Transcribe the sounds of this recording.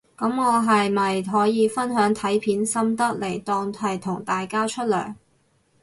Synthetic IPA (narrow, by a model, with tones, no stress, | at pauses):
kɐ˨˥mŋɔː˨˧ɦɐ˨jmɐ˨jɦɔː˨˥jiː˨˧fɐ˥nɦœː˨˥ŋt̪ʰɐ˨˥jpʰiː˨˥nsɐ˥mt̪ɐ˥k̚le˨˩jt̪ɔː˧ŋhɐ˨jt̪ʰʊ˨˩ŋt̪aː˨jkaː˥t͡ʃʰɵ˥t̚lœ̰ː˨˩ŋ